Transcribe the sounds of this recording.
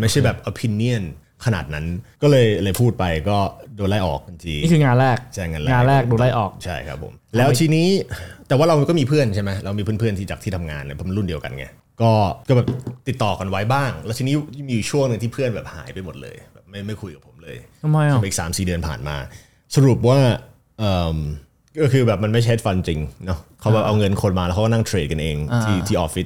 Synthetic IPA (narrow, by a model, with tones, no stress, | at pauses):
ma˥˩jt͡ɕʰa˥˩jbɛː˨˩p̚ʔoː˧pʰi˧nːi˥˩ən | kʰa˧na̰ː˨˩t̪̚na˦˥nkɔː˥˩lɤː˧jlɤː˧jpʰuː˥˩t̪̚pa˧jkɔː˥˩doː˧la˥˩jʔɔ̰ː˨˩k̚ːa˧nt͡ɕiː˧˥˩kʰɯː˧ŋaː˧nɾɛː˥˩k̚t͡ɕʰa˥˩jŋaː˧nlɛaː˧˥˧nɾɛː˥˩k̚duː˧la˥˩ʔɔ̰ː˨˩k̚t͡ɕʰa˥˩jkʰa˦˥pʰːo̰˩˦mlɛː˦˥wt̪ʰiː˧niː˦˥t̪ɛ˨˩waː˥˩ɾa˧wkɔː˥˩miː˧pʰɯ˥˩ənt͡ɕʰa˥˩jma˦˥jɾa˧wmi˧pʰɯ˥˩˨pʰɯ˥˩nʰiː˥˩t͡ɕa˨˩t̪ʰiː˥t̪ʰa˧mŋa̰ː˧nː˧˥˩pʰɔ˩˦˧ɾu˥˩ndi˧əwka̰˧nŋḭ˦˥ | kɔː˥˩kɔː˥˩bɛː˨˩p̚t̪i˨˩t̪ːɔː˨˩ka˧nwa˦˥jbaː˥˩ŋlɛ˦wt̪ʰiː˧niː˦˥˧miː˧ju˨˩t͡ɕʰu˥˩əŋnɯ˧ŋt̪ʰiː˥˩pʰɯ˥˩ənbɛː˨˩p̚ha̰ː˩˦jpa˧jmo˨˩t̪̚lɤ̰ː˧jbɛː˨˩p̚ma˥˩jma˥˩jkʰu˧jka˨˩pʰo̥˩˦mlɤː˧jʰm˧o˧˩mʔiː˨˩ksaː˩˦msiː˨˩dɯ˧ənpʰa̰ː˨˩nma̰ː˧ | sa˧ɾu˨˩p̚waː˥˩ | ʔɤː˨˩m | kɔ˥˩kʰɯː˧bɛː˨˩p̚ma˧nma˥˩jt͡ɕʰe˦˥t̪̚fa˧nt͡ɕi˧ŋnɔ˦˥kʰa˦wbɛː˨˩ʔa˧wŋɤ˧nkʰo˧nmaː˧ɛ˧˦˥kʰa˥kːɔ˥na˥˩ŋt̪ʰɾeː˧t̪̚ka˧nʔeː˧ŋt̪ʰiː˥˩iː˥˩ʔɔː˨˦fi˦˥t̪̚